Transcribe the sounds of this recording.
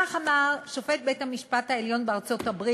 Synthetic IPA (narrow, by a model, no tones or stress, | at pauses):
aχamaʁʃo̞fe̞t̚bethamiʃpathaeljo̞nbeaʁt͡so̞thabʁi